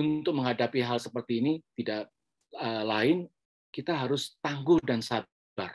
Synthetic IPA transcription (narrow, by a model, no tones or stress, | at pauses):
unt̪ʊk̚məŋɦadapiɦalsəpərt̪iːnit̪idaʔ | əlaɪn | kit̪aɦaɾʊst̪aŋɡʊdansa | bar